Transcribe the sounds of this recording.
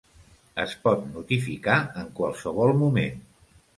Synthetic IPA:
ə̰spɔt̪nut̪ifikaəŋkwalˠsəβɔlˠmumen

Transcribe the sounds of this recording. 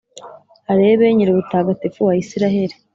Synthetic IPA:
haɾe̞ːβeɲiɾuβutaːɡatefuwaisiɾaɦe̞ɾi

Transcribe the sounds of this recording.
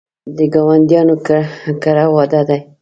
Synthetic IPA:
d̪əɡɑwand̪jɑnokkaɾawɑd̪ad̪aj

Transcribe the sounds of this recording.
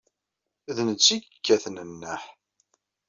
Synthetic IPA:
ðnət͡sːikkːæθnənːəħ

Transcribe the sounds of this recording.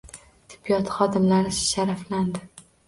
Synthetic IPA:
t̪ʰɪ̥bijɒt̪χɒd̪ɪmlaɾɪsʃaɾafland̪ɪ

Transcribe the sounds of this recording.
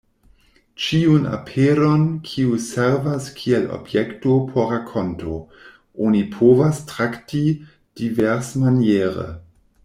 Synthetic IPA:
t͡ʃiuna̰pʰeɾonkʰiuseɾvaskʰielo̰bjektopʰoɾakʰːo̞nto | onipʰovastɾakti | d̥iveɾsmanjeɾə̰

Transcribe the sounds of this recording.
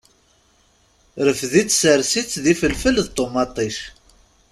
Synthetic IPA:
ɾəfðit͡sːsəɾsit͡sːðifəlfəlðt̪ˤːomɑt̪ˤiʃ

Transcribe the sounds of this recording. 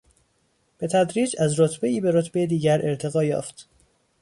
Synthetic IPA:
b̥e̞t̪ʰæd̪ɾiːd͡ʒæzɾot̪ʰbeiːbe̞ɾot̪ʰbejed̪iːɟæɾʔe̞ɾt̪ʰe̞ɣɒːjɒ̰ːft̪

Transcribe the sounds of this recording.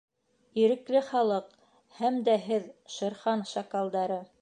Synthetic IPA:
iɾɘ̆klɘχɑlˠɤq | hæmd̪æɦɘðʃɤ̆ɾχɑnʃɑkɑlˠd̪ɑɾɤ

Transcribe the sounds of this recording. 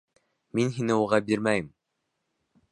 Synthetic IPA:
minɦinɘuʁɑbiɾmæjɘm

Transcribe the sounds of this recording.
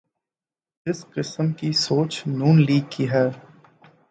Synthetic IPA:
ɪsqɪsəmkisoːt͡ʃnuːnliːɡ̚kiɦɛː

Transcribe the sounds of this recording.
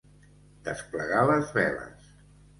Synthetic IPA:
d̪̥əspləɣaləzβɛlə̰s

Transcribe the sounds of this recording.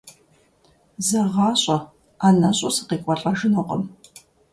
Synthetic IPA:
zɐʁɑːɕʼɐ | aːnɐɕʼʊsɨ̥qiːkʷʼɔɬʼɐʒɨnoqʼəm

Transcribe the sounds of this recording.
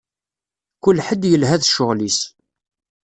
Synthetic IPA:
kʊlħəd̪jəlɦæðʃʊʁlis

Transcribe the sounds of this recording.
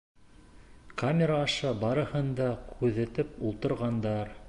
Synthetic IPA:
kamʲeɾaːʃɑbɑɾɤ̆hɤ̆nd̪ɑkʰʉðɘ̆t̪ɘpulˠt̪ɤ̆ɾʁɑnd̪ɑɾ

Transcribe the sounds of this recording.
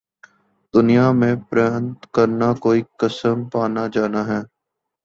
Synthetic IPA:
d̪ʊnijaːmẽpɾaːnt̪kəɾnakoːiːkəsəmpaːnad͡ʒaːnaːɦɛː

